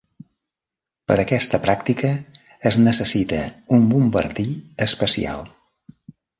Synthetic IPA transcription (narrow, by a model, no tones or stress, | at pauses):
pəɾəkɛst̪əpɾakt̪ikəː | znəsəsit̪ə̰umbumbə̰ɾt̪iəspəsḭa̰lˠ